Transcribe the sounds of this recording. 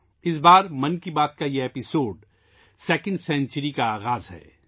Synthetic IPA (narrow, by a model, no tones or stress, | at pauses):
ɪs̬baːɾmɐ̃nkibaːt̪̚kajeeːpɪsoːɖ | sɛːkə̃ɳɖsɛ̃ːnt͡ʃəɾikaaːɣaːzɦɛ̰ː